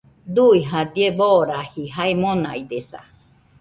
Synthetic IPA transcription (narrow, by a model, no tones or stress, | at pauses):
d̪uiɦad̪ieboɾahiɦaemonaid̪esa̰